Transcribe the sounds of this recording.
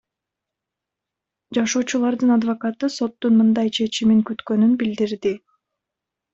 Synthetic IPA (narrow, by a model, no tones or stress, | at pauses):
d͡ʒɑʃo̞ːt͡ʃulˠɑɾd̪ɯnɑd̪vokɑt̪ɯso̞t̪ːunmɯnd̪ɑjt͡ʃʰe̞t͡ʃimiŋkyt̪kø̞nynbild̪iɾd̪i